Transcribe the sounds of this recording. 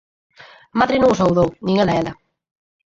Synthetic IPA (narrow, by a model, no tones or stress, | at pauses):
amaðɾenõŋosawðownĩŋɛlaelɐ